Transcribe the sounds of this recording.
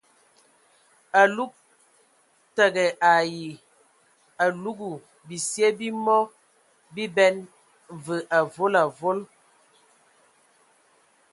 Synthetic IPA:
a˨lu˦k̚ | tɛ˨ɡɛ˨ʔa˨ji˨ | a˨lu˦ɡu˨ | bi˨sje˦bi˦mɔ˦ | bi˦bɛ˦n | və˨ʔa˨vo˦la˨vo˦l

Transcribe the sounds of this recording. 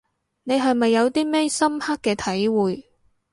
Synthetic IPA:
ne˨˧jɦɐ˨jmɐ˨jːɐ˨˧wt̪iː˥mɛː˥sɐ˥mhaː˥kːɛː˧t̪ʰɐ˨˥jwuː˨j

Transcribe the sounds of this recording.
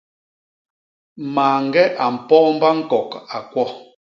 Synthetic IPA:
maː˨ŋ̩˨ɡɛ˦ʔa˨m̩˨pɔː˦m̩˦ba˦ŋ̩˦˨kɔ˨ka˨kwɔ˦

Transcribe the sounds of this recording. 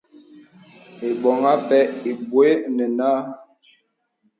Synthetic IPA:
e˨ɓɔ˨ŋa˦pɛ˦e˨bwe˦nɛ˨naː˦

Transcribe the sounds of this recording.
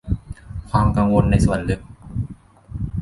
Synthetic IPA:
kʰwaː˧mka˧ŋwo˧nːa˧jsu˨˩˦nlɯ˦˥˩k̚

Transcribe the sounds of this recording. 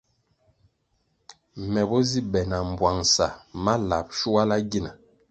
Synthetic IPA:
mɛ˨bɔ˦zi˦bɛ˨na˨m̩˨bwa˨ŋsa˨ma˦la˨p̚ʃu˦wa˦la˦ɡi˦na˨

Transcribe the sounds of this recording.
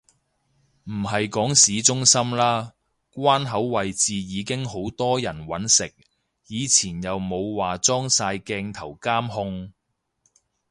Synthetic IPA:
m̩˨˩ɦɐ˨jkɔː˨˥ŋsiː˨˥t͡sʊ˥ŋsɐ˥mlaː˥ | kʷwaː˥nɦɐ˨˥wːɐ˨jt͡siː˨jiː˨˧kɪ˥ŋɦo˨˥wt̪ɔː˥jɐ˨˩nwɐ˨˥nsɪ˨k̚ | jiː˨˧t͡sʰiː˨˩njɐ˨wmo˨˧wwaː˨˩t͡sɔː˥ŋsaː˧jkɛː˧ŋt̪ʰɐ˨˩wkaː˥mɦʊ˧ŋ

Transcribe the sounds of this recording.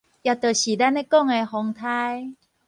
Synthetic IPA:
ja˧t̪ə˨˩ɕi˨˩da˦ne˦kɔ˥˨ŋe˧hɔ˧ŋt̪ʰa˦j

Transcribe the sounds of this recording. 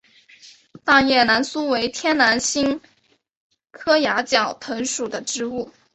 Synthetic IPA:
t̪a˥˧ŋjɛ˥˩na˧˥nsu˥we˧˥ɪt̪ʰjɛ˥nna˧˥nɕi˥ŋ | kʰɤ˥ja˧˥t͡ɕjɑ˨˩ʊt̪ʰɤ˧˥ŋʂu˨˩d̪ə˦ʈ͡ʂɻ̩˧˥u˥˩

